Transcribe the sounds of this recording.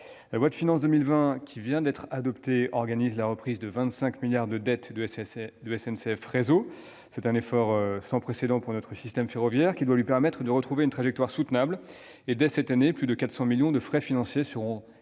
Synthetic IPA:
lalwat̪finɑ̃sd̪əmilvɛ̃kʲʰivjɛ̃d̪ɛt̪χad̪ɔpt̪eɔʁɡanizlaʁəpχizd̪əvɛ̃t̪sɛ̃kmiljaʁd̪əd̪ɛt̪d̪d̪yɛsɛnsɛfʁezo | sɛt̪ɛ̃nefɔʁøsɑ̃pχesed̪ɑ̃puʁnɔt̪χəsist̪ɛmfeʁɔvjɛʁkʲid̪walɥipɛʁmɛt̪χəd̪əʁət̪χuveynt̪χaʒɛk̚t̪waʁsut̪nabl | ed̪ɛsɛt̪aneplyd̪əkat̪χsɑ̃miljɔ̃d̪əfχɛfinɑ̃sjesəʁɔ̃

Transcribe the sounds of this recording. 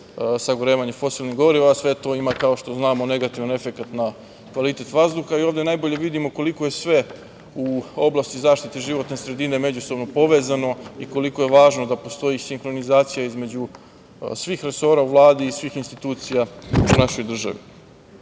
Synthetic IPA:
saɡoɾe̞ːʋaɲefo̞silˠniɡo̞ɾiʋasʋe̞t̪o̞imakao̞ʃt̪o̞znaːmo̞ne̞ɡat̪iʋane̞fe̞kat̪na | kʋalˠit̪e̞t̪ʋazd̪uxaiovd̪e̞najbo̞ʎe̞ʋid̪imo̞ko̞liko̞je̞sʋe̞ | uoblˠast̪izaːʃt̪it̪eʒiʋo̞t̪nesɾe̞d̪ine̞me̞d͡ʑuso̞bnopo̞ʋe̞ːzano̞iko̞liko̞jeʋaːʒno̞d̪apo̞st̪o̞jisiŋxɾo̞nizaːt̪sijaizme̞d͡ʑu | sʋixɾe̞so̞ːɾauʋlˠaːd̪iːsʋiːxinst̪it̪uːt̪sijaunaʃo̞jd̪r̩ʒa̰ʋḭ

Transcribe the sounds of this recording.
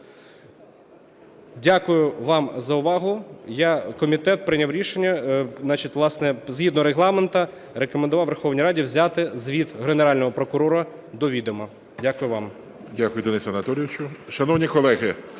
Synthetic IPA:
dʲakʊjʊʋɑmzɐʊʋɑɦʊjakɔmʲit̪ɛt̪̚pɾɪnʲawɾʲiʃenʲːɐnɑt͡ʃitʲʋlˠɑsnɛzɦʲid̪nɔɾeɦlˠɑment̪ɐ | ɾekɔmend̪ʊʋɑwʋerxɔwnʲijɾɑdʲiwzʲat̪ɪzʋʲid̪ɦeneɾɑlʲnɔɦɔpɾɔkʊɾɔɾɐ | d̪ɔʋʲid̪omɐ | dʲakʊjʊʋɑm | dʲakʊjʊd̪ɔnɪsʲɐnɐt̪ɔlʲɪjɪʋt͡ʃʊʃɐnɔwnʲikɔlˠɛɦɪ

